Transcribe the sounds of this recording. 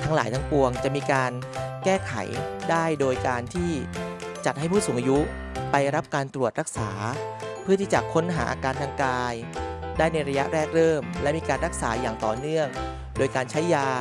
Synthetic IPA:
t̪ʰa˦˥ŋlaː˩˦jt̪ʰa˦˥ŋpu˧əŋt͡ɕa˨˩miː˧kaː˧nkɛː˥˩kʰa̰˩˦jdaː˥˩jdoː˧jkaː˧nt̪ʰiː˥˩ | t͡ɕa˨˩t̪̚ɦa˥˩jpʰuː˥˩suː˩˦ŋʔa˧ju˦˥ | pa˧jɾa˦˥p̚kaː˧nt̪ɾu˨˩ət̪̚ɾa˦˥k̚saː˩˦ | pʰɯ˥˩t̪ʰiː˥˩t͡ɕa˨˩kʰo˦˥nɦaː˩˦˥ʔaː˧kaː˧nt̪ʰa˧ŋkaː˧j | daː˥˩jna˧jɾa˧ja˦˥ʔɾɛː˥˩k̚ɾɤː˥˩mlɛ˦˥miː˧kaː˧nɾa˦˥k̚saː˩˦jaː˨˩ŋt̪ɔː˨˩nɯ˥˩əŋ | doː˧jkaː˧nt͡ɕʰa˦˥jːaː˧

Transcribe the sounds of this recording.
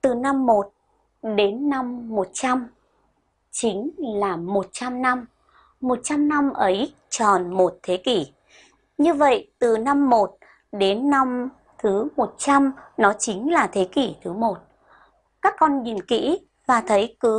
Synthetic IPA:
t̪ɨ˨˩na˧mːo˨˩t̚ | ɗe˨˦nːa˧mːo˨˩t̚t͡ɕa˧m | t͡ɕï˨˦ŋ̟laː˨˩mo˨˩t̚t͡ɕa˧mna˧m | mo˨˩t̚t͡ɕa˧mna˧mʔə˨˦j | t͡ɕɔ˨˩nmo˨˩t̚t̪ʰe˨˦ki˧˩ | ɲɨ˧və̰˧˨jt̪ɨ˨˩na˧mːo˨˩t̚ | ɗe˨˦nːa˧m | t̪ʰɨ˨˦mo˨˩t̚t͡ɕa˧mnɔ˨˦t͡ɕï˨˦ŋ̟laː˨˩t̪ʰe˨˦ki˧˩t̪ʰɨ˨˦mo˨˩t̚ | kaː˦˥kːɔ˧nzḭ˧˩nkḭ˧˥ | vaː˨˩t̪ʰə˨˦jkɨ˨˦

